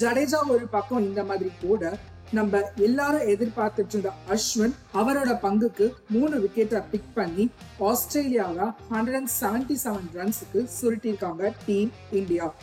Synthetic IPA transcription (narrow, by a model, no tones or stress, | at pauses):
d͡ʒɐɽeːd͡ʒaːɔɾɯpɐkːɐ̃ɪnd̪ɐmaːðɪɾikuːɽɐ | nɐmbɐɛlːaːɾɯ̃ɛðɪɾpaːɾt̪ɯʈːɾɯnd̪ɐɐʂʋɐn | ɐʋɐɾoːɽɐpɐŋɡɯkːɯmuːnɯʋɪkːeʈːaːpɪk̚pɐɳːi | aːsʈɾeːlɪjaːʋahɐɳɖɾɐŋɡsaːɐɳʈisaːʋɐnɾɐnsɯkːɯsɔlʈːɪɾɯkːaːŋɡɐʈiːm | ɪɳɖɪjaː